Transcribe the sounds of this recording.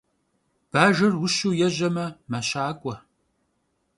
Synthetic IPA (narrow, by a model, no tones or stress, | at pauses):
b̥aːʒɨrwʊʃuːjɛʒɐmɐmaɕaːkʷʼɔ